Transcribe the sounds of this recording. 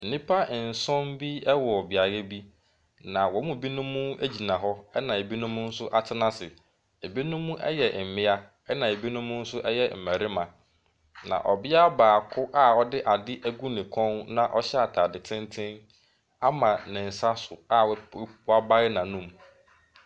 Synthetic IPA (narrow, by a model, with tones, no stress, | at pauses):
n̩˨nĩ˦pʰa˦˨n̩˨sɔ̃˦mbi˦ɛ˦wɔ˨ɔ˨bɪ˨a˨jɛ˦bi˦ | nã˨wɔ˨˦mʊ̃˦˨bi˦nʊ̃˦mːũ˦ḛ˦d͡ʑi˨nã˨ɦɔ˦ɛ˦nã˨e˨bi˦nʊ̃˦mʊ̃˦n̩˦sʊ˦ʔa˦tʰɪ˦nã˦sɪ˨ | e˨bi˦nʊ̃˦mːũ˦ʔɛ̰˦jɛ˨m̩˨mɪ̃˦a˦ | ɛ˦nã˨e˨bi˦nʊ̃˦mʊ̃˦n̩˦sʊ˦ʔɛ˦jɛ˨m̩˨mæ˨ɾɪ˦mã˨ | nã̰˨ʔɔ˨bɪ˦a˦baː˨kʰʊ˦ʔa˦ɔ˦dɪ˦ʔa˨dɪ˦ʔæ˦ɡu˦nɪ̃˨kʰɔ̃˦nnã˨ʔɔ˦ɕɛ˦a˨tʰaː˨dɪ˨tʰɪ̃˦ntʰɪ̃˦n | a˦mã˨nɪ̃˨n̩˨sa˦sʊ˨a˦wwa˦ba˦ɪ˦nã˨nũ˦˨m